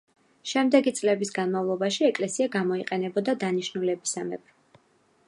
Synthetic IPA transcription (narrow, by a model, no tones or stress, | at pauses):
ʃɛmd̪ɛɡit̪sʼlɛbisɡanmavlˠɔbaʃiɛkʼlɛsiaɡamɔiqʼɛnɛbɔd̪ad̪aniʃnulɛbisamɛb